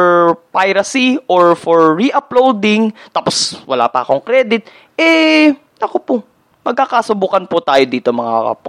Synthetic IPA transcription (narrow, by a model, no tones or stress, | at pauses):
pajɾɐsiʔoɹfoɹːiʔɐplowd̪ɪŋt̪aːposwɐla̰ːpɐʔɐko̞ŋkɾɛd̪ɪt̪̚ | ʔɛ | nɐkopo | mɐɡ̚kːakasʊbuːkɐnpʊt̪aːjo̞d̪iːt̪omɐŋaɐ̰p